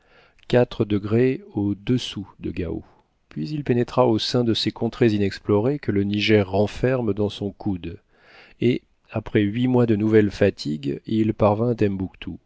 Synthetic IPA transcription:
kʲat̪χəd̪əɡʁeod̪əsud̪əɡa̰o̰ | pɥizilpenɛt̪χaosɛ̃d̪əsekɔ̃t̪χezinɛksplɔʁekələniʒɛʁːɑ̃fɛʁmd̪ɑ̃sɔ̃kʰud̪ | e | apχɛɥimwad̪ənuvɛlfat̪ʰiɡilpaʁvɛ̃at̪ɛmbukt̪ʰu

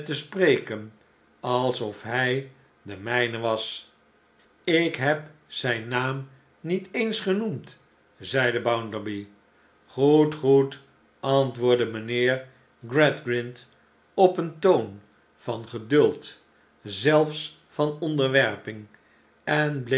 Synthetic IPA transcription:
təsprejkən | ɑlˠsɔfɦɛj | dəmɛjnəʋɑs | ɪkɦɛpsɛjnaːm | nitejnsχənumt | zɛjdəbawndəɹbi | χutχut | ʔɑntʋʊːɹdəmənɪːɹ | ɡrɛdɡrɪnt | ɔpəntown | v̥ɑnχədɵlˠt | zɛlˠfs | fɑnɔndəɹʋɛɹpɪŋ | ɛnbl

